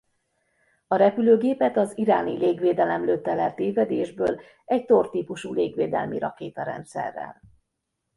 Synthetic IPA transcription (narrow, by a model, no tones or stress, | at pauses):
ɒɾɛpyløːɡeːpɛt̪ɒziɾaːnḭleːɡʋeːd̪ɛlɛmløːt̪ːɛlɛlt̪eːvɛd̪eːʒbøːl | ɛɟt̪ort̪iːpuʃuːleːɡʋeːd̪ɛ̰lmiɾɒ̰keːt̪ɒɾɛ̰nt̪sɛ̰rːɛ̰l